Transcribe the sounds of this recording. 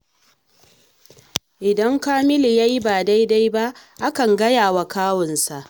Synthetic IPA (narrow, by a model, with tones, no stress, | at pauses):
ʔɪ˨dɐ˦ŋkaː˦mɪ˦li˨ja˦ji˦baː˨da˦jda˦jba˦ʔʔa˦kɐ˨ŋɡɐ˦jaː˨wa˨kaː˦wɔ˨nsa˨ʔ